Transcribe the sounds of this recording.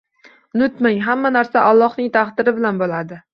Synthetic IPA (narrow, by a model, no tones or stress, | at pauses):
nʊt̪maŋɦamːanaɾsaʔalˠːɒhnɪŋt̪ʰaχd̪ɪɾɪbɪlanbolˠad̪ɪ